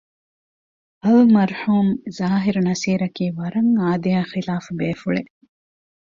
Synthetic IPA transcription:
ɐlmɐɾhuːmzaːɦiɾunɐsiːɾɐkiːʋɐɾɐŋaːd̪ijaːxilaːfubeːfuɭḛ

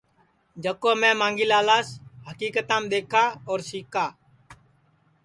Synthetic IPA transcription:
d͡ʒəkoːmɛ̃ːmãːŋɡiːlaːlaːsɦəkiːkət̪ãːmɗ̪eːkʰaːɔːɾsiːkaː

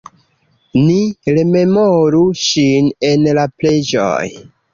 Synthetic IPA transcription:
niɾe̞me̞moɾuʃine̞nlaple̞d͡ʒo̰j

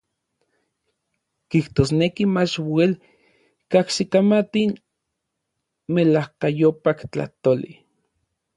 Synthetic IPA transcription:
kiht̪osnekimat͡ʃwel | kaksikamat̪in | melahkajopakt͡ɬa̰ht̪olḭ

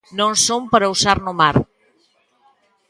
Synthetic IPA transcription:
nõnsompəɾausaɾnomaɾ

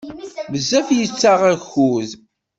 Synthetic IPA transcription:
məzːæfjət͡sːaʁæçuð

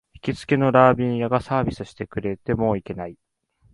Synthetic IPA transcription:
çi̥kʲit͡sɨ̥ke̞no̞ɾaːbʲĩɰ̃jaɡasaːbʲisɨɕi̥t̪e̞kɯ̟ɾe̞t̪e̞mo̞ːike̞nai

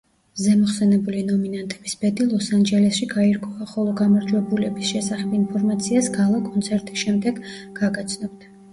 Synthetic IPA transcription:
zɛmɔχsɛnɛbulinɔminant̪ʼʰɛb̥isb̥ɛd̪ilˠɔsand͡ʒɛlɛsʃiɡaiɾɡɔvaχɔlˠɔɡamaɾd͡ʒwɛbulɛbisʃɛsaχɛbinpʰɔɾmat̪sʰiasɡalˠakʼɔnt̪sʰɛɾt̪ʼisʃɛmd̪ɛɡɡ̥aɡat̪sʰnɔbd̪a

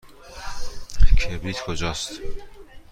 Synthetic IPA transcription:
kʰebɾiːt̪kʰod͡ʒɒːst̪

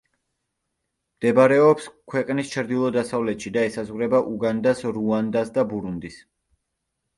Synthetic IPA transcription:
md̪̥ɛbaɾɛɔpskʰwɛqʼnist͡ʃʰɾd̪ilˠɔd̪asavlɛt̪ʃid̪aɛsazʁɾɛbaʔuɡand̪asɾuand̪asd̪abuɾund̪is

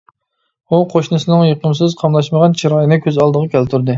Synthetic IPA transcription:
uqʰoʃnɨsɨnɨŋjeqəmsɨzqʰɑmlˠɑʃməʁɑnt͡ʃʰiɾɑjinɨkʲʰøzɑlˠd̪əʁɑkʲʰælt̪ʰuɾd̪ɨ

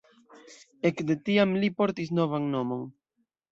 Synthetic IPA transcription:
ekd̪et̪iamlipoɾt̪isnovaŋnomoŋ

